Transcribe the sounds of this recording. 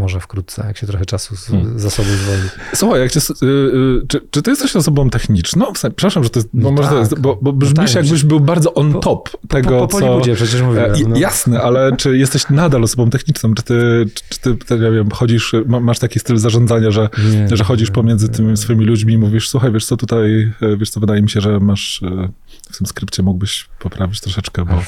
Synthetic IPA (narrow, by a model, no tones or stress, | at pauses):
ɔʐɛfkɾut̪̚t̪sɛ̰jakɕɛt̪ɾɔxɛt͡ʂasuzasɔbozvɔlisuxajjakt͡ɕɛs | t͡ʂɘt͡ʂɨt̪ɘjɛst̪ɛɕɔsɔbɔ̃w̃t̪ɛxɲit͡ʂnɔ̃w̃fsɛpʂɛtɾaʂamʐɛt̪ɔjɛst̪bɔmɔʐɛt̪ɔjɛst̪bɔbɔbʐbʲiʃjaɡbɘʑbɘwbaɾd̪zɔʔɔnt̪ɔpt̪ɛɡɔt̪sɔud͡ʑɛpʂɛt͡ɕɛʂmmuvʲijasnɛʔalɛt͡ʂɘjɛst̪ɛɕnad̪alɔsɔbɔ̃mt̪ɛxɲit͡ʂnɔ̃w̃t͡ʂɨ̥t̪ɘʈ͡ʂʈ͡ʂɨ̥t̪ɘpt̪aɲavʲɛmxɔd͡ʑiʂmamaʂt̪akʲist̪ɘlzaʐɔnd̪zaɲaʐɛʐɛxɔd͡ʑiʂpɔmʲjɛnzɘt̪ɘmʲsfɔimʲilud͡ʑmʲiːmuvʲiʂsuxajvʲjɛʂt̪sɔt̪ut̪ajvʲɛʂt̪sɔvɘd̪ajɛmʲiɕɛʐɛmaʂ | ft̪ɘmskɾɘpt͡ɕɛmuɡ̚bɘɕpɔpɾavʲit͡ɕt̪ɾɔʂɛt͡ʂkɛbɔ